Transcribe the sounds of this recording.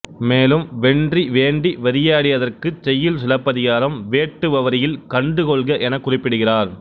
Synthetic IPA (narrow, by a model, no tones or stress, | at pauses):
meːlɯmʋɛɳdriʋeːɳɖiʋɐɾɪjaːɽɪʋɐðɐrkɯt͡ʃɛjːɪlsɪlɐpːɐðɪɣaːɾɐmʋeːʈːɯʋɐʋɐɾɪjɪlkɐɳɖɯkɔɭɣɐʔɛnɐkːʊrɪpːɪɽɯɣɪraːɾ